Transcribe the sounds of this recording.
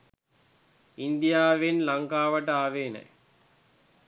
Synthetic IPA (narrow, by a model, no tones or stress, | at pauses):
ind̪ijaːʋenlaŋkaːʋəʈəaːʋeːnə̰j